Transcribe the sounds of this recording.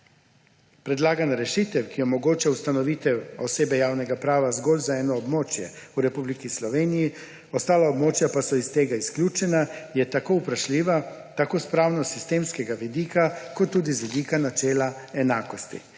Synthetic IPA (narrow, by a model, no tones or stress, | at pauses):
pɾɛd̪laːɡanaɾɛʃit̪ɛwkiɔmɔɡoːt͡ʃawst̪anɔʋiːt̪ɛwɔseːbɛjaːwnɛɡapɾaːʋazɡoːlzaɛːnɔːbmoːt͡ʃjɛ̰ | uɾɛpublikislɔʋeːniji | ɔst̪aːlaobmoːt͡ʃjapasɔist̪eːɡaisklʲuːt͡ʃɛnajɛt̪akoupɾaʃliːʋa | t̪akoːspɾaːwnɔsist̪eːmskɛɡaʋid̪iːkakɔt̪ːuːd̪izʋid̪iːkanat͡ʃɛːlaɛnaːkɔst̪ḭ